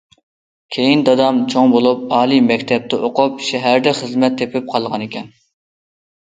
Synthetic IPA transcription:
kʲʰejind̪ɑd̪ɑmt͡ʃʰoŋbolˠup̚ɑːlˠimɛkʲt̪ʰɛp̚t̪ʰɛʔoqʰʊpʃɛɦæɾd̪ɛχəzmɛt̪ʰːepʰɪp̚qʰɑlˠʁɑnekʲʰɛn

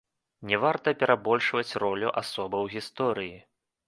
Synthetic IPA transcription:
nʲɛvart̪ɐpʲɛɾabɔlʲʂvɐt͡sʲrɔlʲuʔasɔbɐwɣʲist̪ɔɾɨji

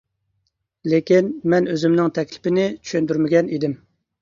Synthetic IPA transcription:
lekʲinmɛnøzymnɪŋt̪ʰɛkʲlɪ̥pɪnɪt͡ʃʰy̥ʃønd̪yɾmɪɡʲɛnid̪ɪm

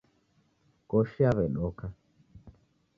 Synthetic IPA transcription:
kɔʃiaβɛɗɔka

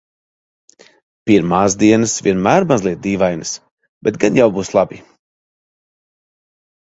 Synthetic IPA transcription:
piɾmaːzd̪iɛnasvʲiɛnmæːɾmazlˠiɛt̪̚d̪iːvajnɨs | b̥ɛt̪ɡanjawbuːslˠabi

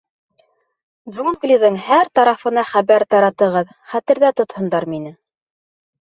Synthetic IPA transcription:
d̪ʒunɡlʲiðɤŋhæɾt̪ɑɾɑfɤ̆nɑχæβæɾt̪ɑɾɑt̪ɤ̆ʁɤð | χæt̪ɘ̆ɾðæt̪ŏt̪hŏnd̪ɑɾminɘ

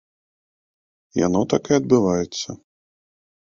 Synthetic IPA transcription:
ja̰nɔt̪akɛɐd̪̚bɨvajɛt̪sːɐ

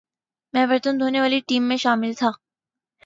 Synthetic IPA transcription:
mɛ̃ːʋɐɾt̪ənd̪ʱoːneʋaːliʈiːmːẽʃaːmɪlt̪ʰaː

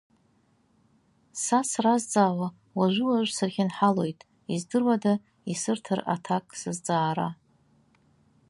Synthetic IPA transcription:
sasrazd͡zaːwa | waʒʷɪwaʒʷsɨrχʲɪnħalo̞jtʼ | izdɨrwada | isɨrtʰɨra̰tʰakʼsɨzd͡zaːɾa

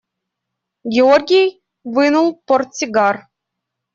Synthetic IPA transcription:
ɡʲeorʲɡʲij | ʋɨnulˠpŏr̚t͡sʲiɡɑr

